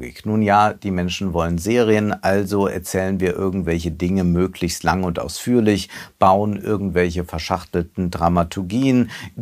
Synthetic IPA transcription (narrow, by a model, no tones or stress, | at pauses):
ɡɪ̰knuːnjaːd̥iːmɛnʃn̩vɔlənzeːʁiənʔalzoɛ̰ɐt͡sɛːlənviːɐʔɪɐɡŋ̩tv̥ɛlçədɪŋəmøːkʰlɪçstlaŋʊntʔa̰ʊsfyːɐlɪçb̥aʊənʔɪ̰ɐɡŋ̩tv̥ɛlçəfɛɐʃaχtl̩tn̩dʁamatʰʊɐɡiːən